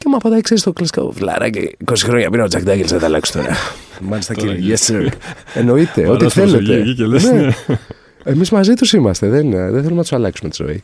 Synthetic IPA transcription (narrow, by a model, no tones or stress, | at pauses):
cemɐpɐd̪ɐikseist̪okleska̰o̰flɐ̰ɾɐ̰cḛkosixɾojɐpinɐod͡zɐkd̪ɐɡelzðet̪ɐlɐ̰ksu̥t̪oɾɐ̰mɐlist̪ɐkeʝeseɾeno̞it̪e̞ot̪iθeleene | emizmɐzit̪usimɐst̪e̞ðenðenθelumenɐt̪u̥salɐksumet̪i̥zo̰ḭ